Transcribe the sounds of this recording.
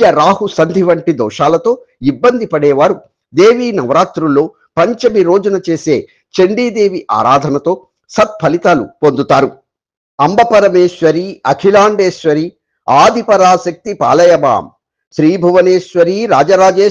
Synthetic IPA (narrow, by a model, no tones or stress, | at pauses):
ɐɾaːɦusɐnd̪ʱiʋɐɳʈid̪ɔ̰ːʂaːlɐt̪o̞ː | ibːɐnd̪ʱipɐɽɛːʋaːɾu | d̪eːʋiːnɐʋɾaːt̪ɾulːo̞ː | pɐɲt͡ʃɐmiɾo̞ːd͡ʒunɐt͡ʃe̞ːse̞ː | t͡ʃeɳɖiːd̪eːʋiʔa̰ːɾaːd̪ʱɐnɐt̪o̞ː | sɐt̪̚pʰɐlit̪aːlṵpond̪ut̪aːɾu | ɐmbɐpɐɾɐmeːʃʋɐɾiɐkʰilaːɳɖeːʃʋɐɾi | aːd̪ʱipɐɾaːʃɐk̚t̪ipa̰ːlɐjɐma̰ːm | ʃɾiːbʱɐʋɐneːʃʋɐɾiːɾaːd͡ʒɐɾaːd͡ʒeː